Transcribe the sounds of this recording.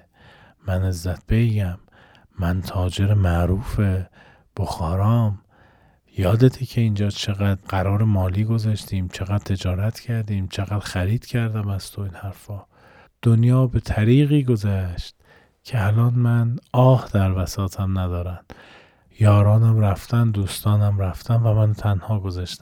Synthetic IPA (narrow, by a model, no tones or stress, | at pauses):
ænezːæt̪̚ʰb̥ejɡæmː | ænt̪ʰɒːd͡ʒe̞ɾemæʔɾuːfe | b̥oxɒːɾɒːm | jɒːd̪et̪ʰecʰe̞ind͡ʒɒːt͡ʃʰe̞ɣæd̪ɢæɾɒːɾemɒːliːɡo̞zæʃt̪ʰiːmt͡ʃʰeɣæd̪̥̚t̪ʰe̞d͡ʒɒːɾæt̪ʰcʰæɾd̪iːmt͡ʃʰeɣæːd̪xæɾiːd̪̥cʰæɾd̪æmæz̥t̪ʰoinhæɾfɒː | d̪̥onjɒːbe̞t̪ʰæɾiːɣiːɡo̞zæʃt̪̚ | cʰeælɒːnmænɒːhd̪æɾvæsɒːt̪ʰæmnæd̪ɒːɾænd̪̥ | jɒːɾɒːnæmɾæft̪ænd̪uːst̪ɒːnæmɾæft̪ænvæmænt̪ʰænhɒːɡozæʃt̪æm